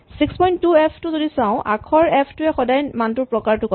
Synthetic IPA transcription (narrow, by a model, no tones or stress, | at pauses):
sikspɔjntːuɛpʰtʊzodisãʊ̃ʔa̰kʰɔɹɛpʰtʊɛxɔdajnmantʊɹpɹɔkaɹtʊkɔ